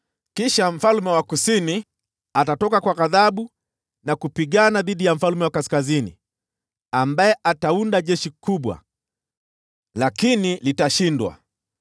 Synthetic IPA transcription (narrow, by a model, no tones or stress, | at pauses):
kiʃam̩falmɛwakusini | atatɔkakwaɣaðaɓu | nakupiɠanaðiɗijam̩falmɛwakaskazinḭ | ambajɛʔataundaʄɛʃikuɓwa̰ | lakinilitaʃindwa̰